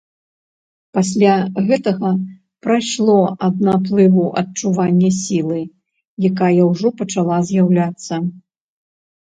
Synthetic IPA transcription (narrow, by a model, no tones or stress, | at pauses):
pasʲlʲaɣɛt̪ɐɣɐ | pɾajʂlˠɔɐd̪̚naplˠɨvuʔɐt̚t͡ʂuvanʲːɐsʲilˠɨ | jakajɐwʐɔpɐt͡ʂalˠazʲjawlʲat̪sːɐ